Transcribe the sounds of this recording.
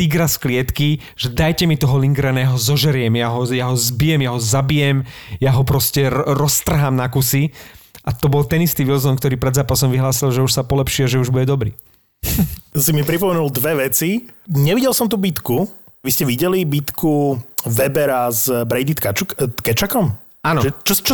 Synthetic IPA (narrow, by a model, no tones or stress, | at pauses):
t̪iɡɾasklɪɛt̪ki | ʒ̥ɛd̪ajcɛmit̪ɔɦɔliŋɡɾɛnɛːɦɔzɔʒɛɾɪjɛmjaɦɔjaɦɔzbijɛmjaɦɔzabijɛmjaɦɔpɾɔscɛɾɔst̪r̩ɦaːmnakusiʔat̪ɔbɔlt̪ɛnist̪iːʋilzɔnkt̪ɔɾiːpɾɛd̪zaːpasɔmʋiɦlaːsilʒɛuʃsapɔlɛpʃiaʒɛuʒbuɟɛd̪ɔbɾḭː | simipɾipɔmɛnulˠd̪ʋɛʋɛt͡si | ɲɛʋiɟɛlsɔmt̪̬uːbit̪ku | ʋiscɛʋiɟɛlibit̪kʰuʋɛbɛɾazbɾɛjd̪it̪kat͡ʃt̪kɛt͡ʃakɔm | anɔʒɛt͡ʃɔt͡ʃɔ